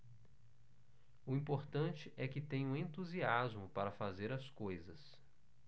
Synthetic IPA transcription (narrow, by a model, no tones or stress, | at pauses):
ʊĩpoɾt̪ɐ̃t͡ʃɪʔɛkɪt̪ẽɲũẽnt̪uziazmʊpaɾɐfazeɾɐskojzɐs